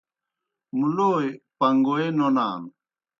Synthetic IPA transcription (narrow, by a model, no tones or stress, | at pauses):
muloːjpɐŋɡoenona̰ːn